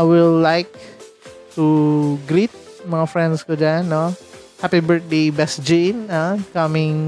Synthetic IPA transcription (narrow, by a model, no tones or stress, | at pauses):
jwilːajk̚ | tuɡɾit̪̚ | maŋafɾɛ̃nskəd͡ʒanːo | hɛpibəɹt̚debɛsd͡ʒĩnakamɪ̃ŋ